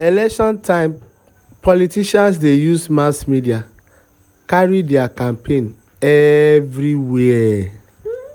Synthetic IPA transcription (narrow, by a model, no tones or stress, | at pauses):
elɛkʃɔ̃ntʰãɪ̃m | pɔlitiʃans̬dejusmasmidia | kaɹidɛakãmpʰẽn | ɛvɾiwɛɛ